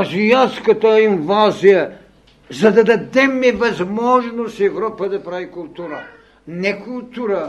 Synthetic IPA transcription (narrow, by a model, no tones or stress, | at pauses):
ɐzianskɐt̪əinvazijɐ | zɐd̪ɐd̪ɐd̪ɛmɛvɐzmɔʒnost̪ɛvɾɔpəd̪ɐpɾavikʊlˠt̪uɾə | nɛkʊlˠt̪uɾə